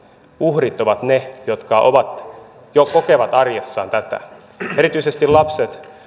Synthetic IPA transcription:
uhrit̪oʋɑt̪nejot̪kɑʔoʋɑt̪ | jokokeʋɑt̪ɑrjesːɑ̰ːnt̪æt̪æ̰ | eɾit̪yisest̪ilɑpset̪

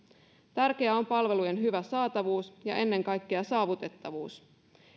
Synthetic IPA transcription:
t̪ærk̟eæo̞mpɑlʋe̞luje̞nɦyʋæsɑːt̪ɑʋuːsjɑ̰ʔe̞nːe̞ŋkɑjkːeɑsɑːʋut̪e̞t̪ːɑʋuːs

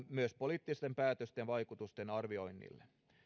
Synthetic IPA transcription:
myøspoliːt̪ːist̪empæːt̪øst̪enʋɑjkut̪ust̪enɑrʋio̞inːḭlːe

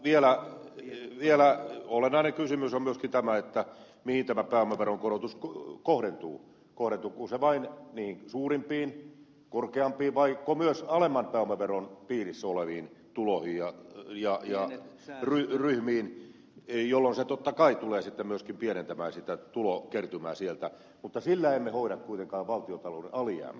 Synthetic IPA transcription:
ʋielæ | ʋielæolenɑinekysymysomyøskint̪æmæet̪ːæ | mihint̪æmæpæːomæʋeroŋkoɾot̪uskkohɾent̪ṵː | kohɾent̪uːkuseʋɑinniːhiŋsuːrimpiːn | korkeɑmpˑiːʋɑikːomyøsɑlemːɑnpæːomːæʋeronpiːrisːæoleʋiːn | t̪ulohijjɑjɑjɑ | ryryhmiːn | jolːonset̪ot̪ːɑkɑit̪uleːsit̪ːemmyøskimpienent̪æmæːsit̪æt̪ulokert̪ymæːsielt̪æ | mut̪ːɑsilːæemːehoiɾɑkkuit̪eŋkɑːʋʋɑlt̪iot̪ɑlonɑliæ̰ːmːæ̰

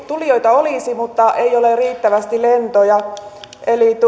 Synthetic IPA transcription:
t̪ulijoit̪ɑoliˑsimut̪ːɑʔeioleriːt̪ːæʋæst̪ilent̪ojɑ | elit̪

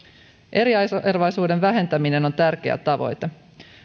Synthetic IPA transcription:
ʔe̞ɾiɑerʋɑjsuːde̞nʋæɦe̞nt̪æmine̞no̞nt̪ærk̟eæ̰t̪ːɑʋo̞̰jt̪e

